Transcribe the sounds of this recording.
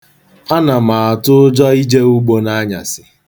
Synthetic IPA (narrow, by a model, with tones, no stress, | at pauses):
a˦na˨m̩a˨a˨tʊ˦ʊ˦d͡ʒɔ˦i˦d͡ʒe˦u˦ɡ͡bo˦na˦ɲa̰˨sɪ˨